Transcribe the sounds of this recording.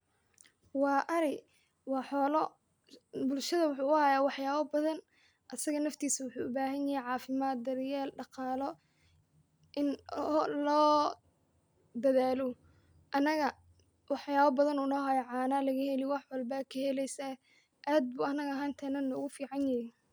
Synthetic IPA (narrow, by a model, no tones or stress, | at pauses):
wɑːʔɐɾɪ | wɑːħɔːlɔ | bʊlʃɐðɐwʊħuːʊhaːjaːwɑħjaːβɐbɐðɐn | ʔɐsɐɣɐnɐft̪ʰiːsɐwʊħuːʊbaːɦɐnjɐhɛjʕɑːfɪmaːt̪̚d̪ɐɾjɛːlɖɑqɑːlɔ | ʔɪnlɔː | d̪ɐðaːlɔ | ʔɐnɐɣɐ | wɑħjaːβɐbɐðɐnʊnɔːɦaːjɐʕɑːnaːlɐɣɐhɛlɪwɑħwɑlbɐkʰɐhɛlɛjsa | ʔaːd̪̚buːɐnɐɣɐɦaːnt̪ʰɐnɐnɔːɣʊfiːʕɑnjɐjɛ